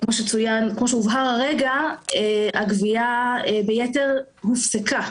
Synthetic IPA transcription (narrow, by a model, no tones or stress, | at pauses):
kmoʃet͡sujankmo̞ʃeuvɦaʁaʁeɡaeaɡviaebejete̞ʁ | hufseka